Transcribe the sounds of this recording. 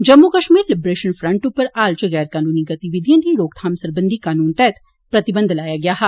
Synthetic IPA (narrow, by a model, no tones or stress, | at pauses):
d͡ʒɐmːukɐʃmiːɾlɪbɾeːʃənfʰɾɐ̃ɳʈupəɾaːlt͡ʃəɣɛːɾkaːnuːniɡɐt̪iʋɪd̪ʱjãd̪iɾoːɡ̚t̪ʰaːmsɐɾbə̃nd̪ʱikaːnuːnt̪ɛːt̪ʰ | pɾɐt̪ɪbə̃nd̪ʱlaːjaɡɐjaːɦɛ